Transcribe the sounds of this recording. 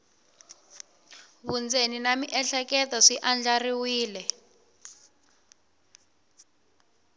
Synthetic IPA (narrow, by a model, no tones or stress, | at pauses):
βund͡zʱeninamiʔɛɬɛkɛtɔʂiʔand͡ɮariwiːlɛ